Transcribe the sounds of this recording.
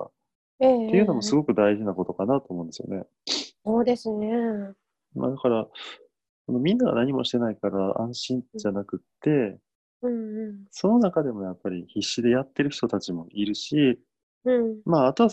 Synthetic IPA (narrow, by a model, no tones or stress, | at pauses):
a̰ | et̪e̞jɯ̟no̞mo̞sɨɡo̞kɯ̟d̪aiʑinako̞t̪o̞kanat̪o̞ːmõnd̪esɨjo̰ne̞̰ | oːd̪esɨne | ma̰d̪akaɾa | so̞nomʲĩnːaɡa̰naɲ̟imo̞ɕi̥t̪e̞naikaɾaã̰ɰ̃ɕĩɲd͡ʑanakɯ̟t̪ːe̞ | ɯ̃ɴ̃ɴso̞no̞nakad̪e̞mo̞japːaɾʲiçiɕːid̪e̞jat̪ːe̞ɾɯ̟çi̥t̪o̞t̪at͡ɕimo̞ʔiɾɯ̟ɕĩ | maːt̪o̞βa